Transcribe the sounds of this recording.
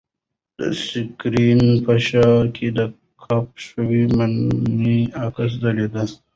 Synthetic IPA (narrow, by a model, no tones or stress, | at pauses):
d̪̥ə̰sikɾinpɐʃakʰed̪ə | kʰap̚ʃəwimanniakas̬d̪əled̪a